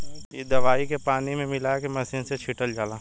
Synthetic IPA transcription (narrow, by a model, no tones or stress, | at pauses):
jed̪ɐʋaːikepaːnimẽmɪlakemɐsɪnset͡ʃʰiːʈəld͡ʒaːlaː